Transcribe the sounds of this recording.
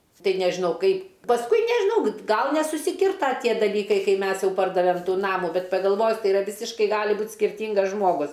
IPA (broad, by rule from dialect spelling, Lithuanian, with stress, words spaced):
ˈtɐɪ nʲɛʒʲɪˈnɐʊ ˈkɐɪp pɐsˈkʊɪ nʲɛʒʲɪˈnɐʊ ˈɡɐlˠ nʲɛsʊsʲɪˈkʲɪrtɐ ˈtʲiɛ dɐˈlʲiːkɐɪ ˈkɐɪ ˈmʲɛs ˈjɛʊ ˈpɐrdɐʋʲɛm ˈnɑːmuː ˈbʲɛt pɐɡɐlˠˈʋoːjʊs ˈtɐɪ ɪˈrɐ ˈʋʲɪsʲɪʃkɐɪ ˈɡɑːlʲɪ ˈbuːt sʲkʲɪrʲˈtʲɪŋɡɐs ˈʒmoːɡʊs